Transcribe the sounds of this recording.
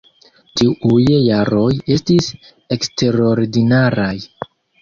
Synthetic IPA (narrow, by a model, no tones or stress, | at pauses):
tiʔujːaɾo̞je̞stis | e̞kste̞ɾo̞ɾdinaɾaj